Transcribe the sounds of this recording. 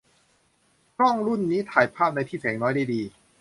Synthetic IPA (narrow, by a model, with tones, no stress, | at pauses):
kʰɾɔ˥˩ŋɾu˥˩nːiː˦˥t̪ʰaː˩˦jpʰaː˥˩p̚na˧jt̪ʰiː˥˩sɛː˩˦ŋnɔː˦˥jda˥˩jdiː˧